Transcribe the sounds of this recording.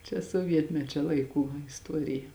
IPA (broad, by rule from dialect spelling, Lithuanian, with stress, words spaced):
t͡ʃʲɛ suɔˈʋʲiɛtʲmʲɛt͡ʃʲɛ ˈlˠɐɪˌkuː ɪsˈtuɔrʲɪjɛ